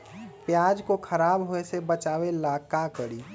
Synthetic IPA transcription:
pjaːd͡ʒkokʰəɾaːbɦoesebət͡ʃaːwelaːkakəɽiː

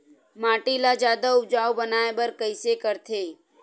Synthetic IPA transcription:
maːʈilad͡ʒjaːd̪aʊbd͡ʒaːobənaːebəɾkəɪsekəɾt̪ʰeː

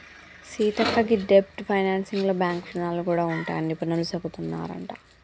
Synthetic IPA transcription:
siːt̪ɐkːɐɡiɖep̚ʈpʰɐjnaːnsiŋɡloːbjaːŋkpɐnaːlukuːɽaːuɳʈa̰ːjɐnipːuinɐlut͡ʃɐbut̪unːa̰ːɾɐ̰ɳʈa̰

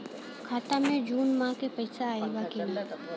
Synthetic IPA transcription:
kʰaːt̪amẽd͡ʒuːnmãkepɐɪsaaːebakinaː

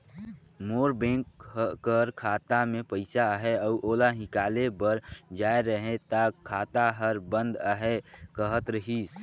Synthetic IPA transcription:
moːɾbẽːŋkːəɾkʰaːt̪amẽpəɪsaɦɛɔːʔoːlaɦɪkaːlebəɾd͡ʒaːeɾəɦẽt̪akʰːaːt̪aɦəɾbə̃nd̪əɦɛkəɦət̪ɾəɦis

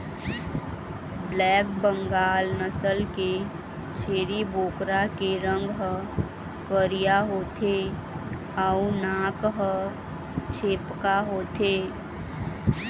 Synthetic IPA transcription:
blɛːk̚bə̃ŋɡaːlnəsəlke | t͡ʃʰeːɾiboːkɾakeɾə̃ŋɡɦə | kəɾijaɦoːt̪ʰe | aunaːkɦə | t͡ʃʰeːpkaɦoːt̪ʰeː

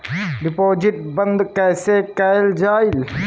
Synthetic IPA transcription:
ɖɪpoːzɪʈbɐ̃nd̪kɛːsekɛːld͡ʒaːɪl

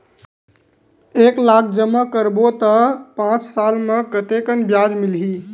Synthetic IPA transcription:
eːklaːk̚ʰd͡ʒəmːəkəɾbot̪əpãːt͡ʃsaːlmə̃kət̪ekənbjaːd͡ʒmɪlɦiː

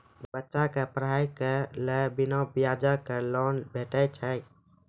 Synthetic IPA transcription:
bətːʃãkepəɾɦaikelebinabijad͡ʒəkelɔnbʱeʈət͡ʃʰə

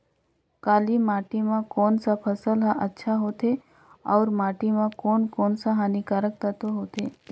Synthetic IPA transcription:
kaːlimaːʈimãkɔːnsapʰəsəlɦaʔətːʃʰaɦoːt̪e | ɔːɾmaːʈimãkoːnkɔːnsaɦaːnikaɾək̚t̪ət̪oɦoːt̪ḛː

